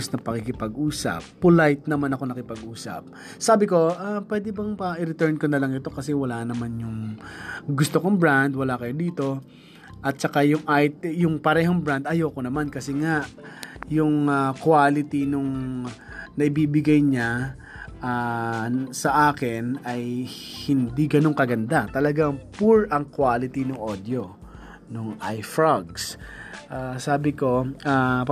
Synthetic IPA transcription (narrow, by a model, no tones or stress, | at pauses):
snɐpɐkɪkɪpɐɡʔuːsɐ̰pːʊlajt̪̚nɐmanɐko̞nɐkɪpɐɡʔuːsɐ̰p̚ | saːbɪko̞ʔapwɛːd̪ɪbɐŋpɐʔɪɾɪt̪ɛɹnkonɐlɐŋɪt̪o̞kɐsɛwɐlaːnɐmanjʊŋ | ɡʊst̪okoŋbɹand̪wɐlakɐjod̪iːt̪o̞ | ʔɐt̪̚t͡ʃɐkajʊŋʔaːhɪt̪̚jʊŋpɐɾɛːɦoŋbɹand̪ɐjokonɐmankɐsɛŋaʔjʊŋakwaːlɪt̪inʊŋ | nɐʔɪbiːbɪɡajɲa | ʔa | sɐʔaːkɪnɐjhɪnd̪iɡɐno̞ŋkɐɡɐnd̪at̪ɐlɐɡaŋpuɹʔɐŋkwaːlɪt̪inʊŋʔod̪jo | nʊŋʔajfɹaɡ̚sʔaːsaːbɪko̞a